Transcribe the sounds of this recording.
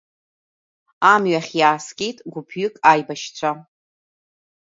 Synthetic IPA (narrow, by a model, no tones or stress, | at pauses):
amɥaχʲjaːskʲʼejtʼɡʷʊpʰɥʏkʼajbaʃt͡sʷʰa